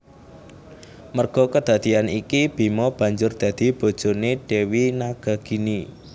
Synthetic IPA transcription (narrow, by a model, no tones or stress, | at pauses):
mərɡ̥ɔ̤kəd̪̥ä̤d̪̥i̤anikib̥i̤mɔb̥ä̤ɲd͡ʒʊrd̪̥ä̤d̪̥i̤b̥o̤d̥ʒ̥o̤neɖ̥ewinaɡ̥a̤ɡ̥i̤ni